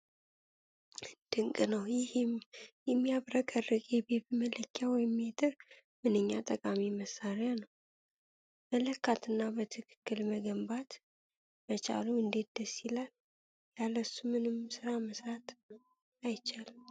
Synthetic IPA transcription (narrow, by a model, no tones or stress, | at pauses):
d̪̥ɨŋkʼɨnəwjɪhɪmjɛmːiaβɾəkʼərːɨkʼjɛbɛbimələkʰːjawɔjɪmːet̪ʼɨɾ | mɨnɨɲːat̪ʼəkʼamiməsːaɾjanəw | mələkːat̪ʰɨnːabət̪ʰɨkʰɨ̥kːɨlməɡəmbat̪ | bət͡ʃʼa̰luɨnd̪et̪̚d̪̥əsilal | jaləsumɨnɨmsɨɾaməsɾat̪ | ajt͡ʃal